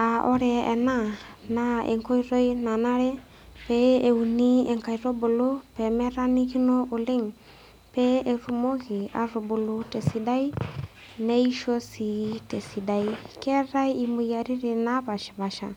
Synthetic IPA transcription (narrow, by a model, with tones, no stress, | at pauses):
a˨ʔɔ˦ɾɛː˨na˦na˦ɛ̰˨ŋkɔ˦i˦rɔ˦i˦na˨na˦ɺɛ˦ | pɛ˦e˨u˨ni˦ɛ˨ŋka˨i˨ɾɔ˦bo˨lo˦pɛ˨mɛ˦ɾa˦ni˦ki˦nɔ˦ʔo˨le˦ŋ | pɛ˦ɛ˨ru˨mɔ˦ɣi˨a̰˨rɔ˨bu˨lu˨tɛ˨si˨da˦i˦ | nɛ˦i˦ʃɔ˦si˨tɛ˨si˨da˨i˦kɛ˦ra˦i˦i˨mu˨ja˨ɾi˦ɾɛ˨na˦βa˨ʃi̥˨βa˨ʃa̰˨